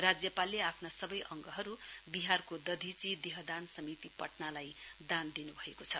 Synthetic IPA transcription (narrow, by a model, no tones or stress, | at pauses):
rad͡zjʌpalːeapʰnasʌbʌjʔʌŋɡʌɦʌɾubiɦarkod̪ʌd̪ʱit͡sid̪iɦʌd̪ansʌmit̪ipʌʈnalaj | d̪and̪inubʱʌekot͡sʰʌ